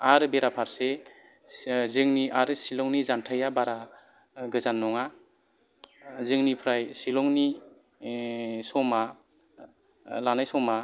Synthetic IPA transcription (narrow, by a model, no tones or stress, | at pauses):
aɾɯbeɾapʰaɾse | zɯŋniʔaɾɯsilɔŋnizantʰajabaɾa | ɡɯzanːɔŋa | zɯŋnipʰɾajsilɔŋni | sɔma | lanajsɔma